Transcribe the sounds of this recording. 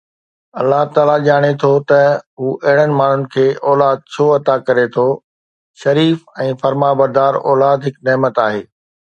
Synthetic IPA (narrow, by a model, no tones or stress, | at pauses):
ɐlːaɦt̪aːlaʄaːɽ̃et̪ʰot̪ɐɦuːʔɐɦɪɽ̃ənɪ̆maːn̤ʊnɪ̆kʰeːʔɔːlaːd̪̚t͡ɕʰoːɐt̪akɐɾet̪ʰo | ʃɐɾiːfɛ̃ːfɐɾmabɐɾd̪aːɾɔ̰ːlaːd̪ɦɪkneːmət̪aːɦeː